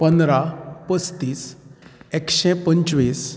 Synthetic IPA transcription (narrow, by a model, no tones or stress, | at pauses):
pə̃nd̪ɾapəst̪iːsekɕɛ̃pəɲt͡ɕʋiːs